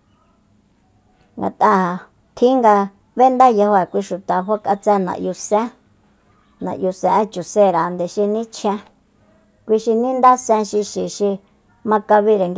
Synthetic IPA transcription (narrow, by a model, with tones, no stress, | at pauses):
ŋɡa̰˨t̪ʼa˧a˨ | t̪ʰĩ˦ŋɡa˧ | βe˦nd̪a˦ja˧ho˧a˨kʷi˧ʃu˨t̪a˨ɦo˦kʼa˧t͡sɛ˧nã̰˨ʔju˧sẽ˦ | nã̰˨ʔju˧sɛ̃˧ʔt͡ʃu˨se˦˨ɾa˨nd̪e˨ʃi˧nĩ˦t͡ʃʰẽ˧ | kʷi˧ʃi˧nĩ˦nd̪a˦sɛ̃˧ʃi˧ʃi˨ʃi˧ | mã˧ka˧βi˧ɾe˨ŋɡ